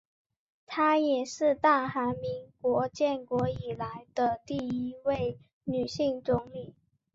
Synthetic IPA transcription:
t̪ʰa˥jɛ˨˩ʂɻ̩˥˧t̪a˥˩xa˧˥nmi˧˥ŋkwɔ˧˥t͡ɕjɛ˥˩nkwɔ˧˥i˨˩la˧˥ɪd̪ə˧t̪i˥˩i˧˥we˥˩ɪ | ny˨˩ɕi˥˩ŋt͡sʊ˧˥ŋny˨˩˦

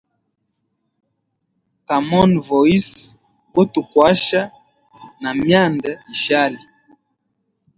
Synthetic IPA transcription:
ka˨mɔ˦nvɔ˨i˦s | ko˦tu˨kwa˦ʃa˦ | na˨mja˦˨nda˨i˨ʃa˦li˨

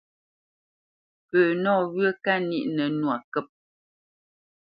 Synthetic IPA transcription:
pə˨nɔ˦˨ɣɰə˦ka˦nḭ˦ʔnə˨nwa˨kɛ˦˨p̚

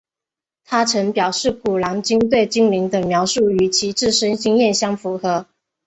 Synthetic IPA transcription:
t̪ʰa˥ʈ͡ʂʰɤ˧˥ŋpjɑ˨˩ʊʂɻ̩˥˩ku˨˩lɑ˧˥ŋt͡ɕi˥ŋt̪̬we˥˩ɪt͡ɕi˥ŋli˧˥ŋd̪ə˧˩ŋmjɑ˧˥ʊʂu˥˩y˨˩t͡ɕʰi˧˥ʈ͡ʂɻ̩˥˩ʂə˥nɕi˥ŋjɛ˥˩nɕjɑ˥ŋfu˧˥xɤ˧˥˦

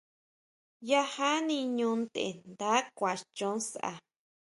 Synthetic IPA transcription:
ja˦˧ha˦nĩ˧ɲũ˧nd̪ḛ˨nd̪aː˨˦kʷa˨t͡ʃõ˧˦sʔa̰˧

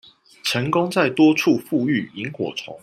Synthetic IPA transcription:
ʈ͡ʂʰə˧˥ŋko˥ŋt͡sa˥˨ɪt̪wɔ˥t͡ʃʰu˥˨fu˥˧y˥˨i˨˦ŋxwɔ̰˨˩t͡sʰɔ̰˨˦ŋ

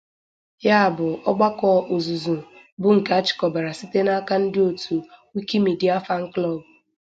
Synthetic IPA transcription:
ja˦a˨bʊ˨ɔ˦ɡ͡ba˦kɔ˦ʔo˨zu˨zu˨ | bʊ˦ŋ̩˨ka˦a˦t͡ʃɪ̥˨kɔ˨ba˨ɾa˨si˦te˦na˦ka˦n̩˦dɪ˦o˨tʰu˨wi˦ki˦mi˨di˦a˦fa˦ŋ̩˦klɔ˦˨bʊ˨

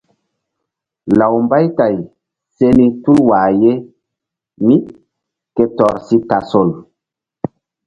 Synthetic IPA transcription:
la˨wmba˦jta˨j | se˦ni˦tu˦lwaː˨je˦ | mi˦ | ke˦tɔ˨ɾsi˦ta˨so˨l

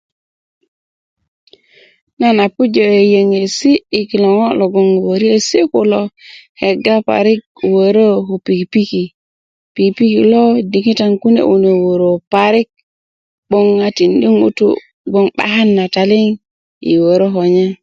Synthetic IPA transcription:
na˦na˨pu˦d͡ʒo˨e˨je˨ŋe˨siː˦˨ki˨lo˨ŋo˦lo˨ɡo˦˨ŋ˨wo˨ɾi˦e˨si˦ku˦lo˨he˨ɡa˦pa̰˨ɾi˦k̚ | wo˨ɾo˦ɦo˨pi˨kpi˦ki˨ | pi˨kpi˦ki˨lo˦di˨ŋi˦ta˦ŋku˦nḛ˨ʔu˨ne˨wo˨ɾo˨pa˨ɾi˦k̚ | bo˦ŋːa˦ti˨ndi˦ŋṵ˦tṵ˦ | ɡo˦ŋɓa̰˨ha˦nːa˨ta˨li˦ŋ | ḭ˨wo˨ɾo˦ɦo˨ɲe˦

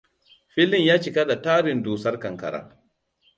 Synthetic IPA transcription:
ɸɪ˦lɪ˦ɲjaː˦t͡ʃi˨ka˦da˨taː˦ɾɪ˨ndoː˨sɐ˦rkɐ˨ŋkɐ̰˨ɾa̰ː˦

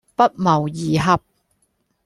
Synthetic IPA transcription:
pɐ˥t̚mɐ˨˩wjiː˨˩ɦɐ˨p̚

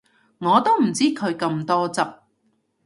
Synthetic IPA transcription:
ŋɔː˨˧t̪o˥wm̩˨˩t͡siː˥kʰɵ˨˧ɥkɐ˧mt̪ɔː˥t͡sɐ˨p̚

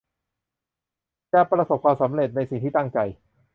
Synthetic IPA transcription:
t͡ɕɛː˧˩pɾa˧so˨˩p̚kʰwaː˧msa˩˦mɾe˨˩t̪̚na˧jsi˨˩t̪iː˥˩t̪a˥˩ŋt͡ɕa˧j

